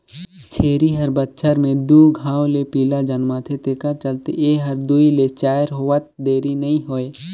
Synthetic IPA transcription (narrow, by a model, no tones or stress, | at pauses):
t͡ʃʰeːɾiɦəɾbətːʃʰəɾmẽd̪uɡʱãːwlepiːlad͡ʒənmaːt̪ʰet̪eːkat͡ʃəlt̪ḛeɦəɾd̪uilet͡ʃaːəɾɦoət̪̚d̪eːɾinəĩɦoːe